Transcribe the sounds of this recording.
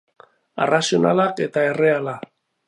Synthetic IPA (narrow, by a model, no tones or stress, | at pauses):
a̰rasiona̰lake̞t̪ae̞re̞ala